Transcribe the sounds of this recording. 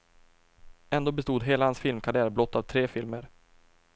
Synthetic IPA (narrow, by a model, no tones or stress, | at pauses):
ɛnd̪oːbɛst̪uːd̪ɦeːlahansfɪlmkʰaɾɪæːɾblɔt̪ːavt̪ʰɾeːfɪlməɾ